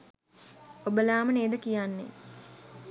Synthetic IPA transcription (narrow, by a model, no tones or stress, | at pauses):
obəlaːməneːd̪əkijanːḛ